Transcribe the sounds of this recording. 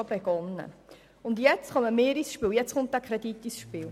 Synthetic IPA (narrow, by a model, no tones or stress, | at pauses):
beɡ̥ɔnːə̰ | ʊndjɛt͡sχɑməmeːɾisʃpiːwjɛt͡sχʊnt̚d̥ækʰχɾɛdit̪ːisʃpiːl